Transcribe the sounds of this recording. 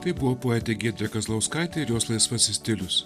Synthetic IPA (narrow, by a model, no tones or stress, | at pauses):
t̪ɐɪbʊʋopoːɛt̪ʲɛɡʲiɛd̪ʲɾʲɛkɐzlˠɐʊskɐˑɪt̪ʲɛɪɾjoːslˠɐsʋɐsʲɪsʲt̪ʲɪlʲʊs